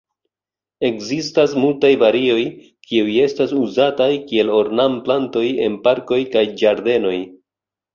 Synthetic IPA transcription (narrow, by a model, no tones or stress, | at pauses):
e̞kzistasmultajvaɾio̞j | kʰiuje̞stasuzatajkie̞lo̞ɾnamplanto̞je̞npaɾko̞jkajd͡ʒaɾde̞no̞j